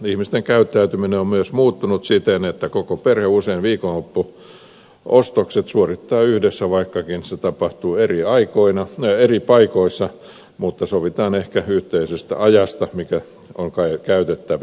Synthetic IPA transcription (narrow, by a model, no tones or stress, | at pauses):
ihmist̪eŋkæyt̪ːæyt̪ymineommyøsmuːt̪ːunut̪sit̪enet̪ːækokoperheuseinʋiːkonlopːu | ost̪okset̪suorit̪ːɑːyhdesːæʋɑikːɑkinset̪ɑpɑht̪uːeriɑikoinɑeripɑikoisːɑ | mut̪ːɑsoʋit̪ɑːnehkæyht̪eisest̪æ̰ʔɑjɑst̪ɑmikæ | oŋkɑikæyt̪et̪ːæʋ